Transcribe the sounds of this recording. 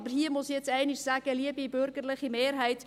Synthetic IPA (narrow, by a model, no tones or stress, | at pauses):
bərɦiːəmʊsjɛt͡sɛɪniʃsæːɡəliəbibørɡərləχimeːrɦɛjt